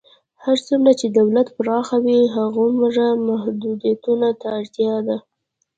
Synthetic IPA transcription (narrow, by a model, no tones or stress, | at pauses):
haɾt͡sumlat͡ʃed̪awlat̪pəɾɑxawiɦaɣoməʐamahd̪ud̪jat̪unat̪aːɽt̪jɑd̪a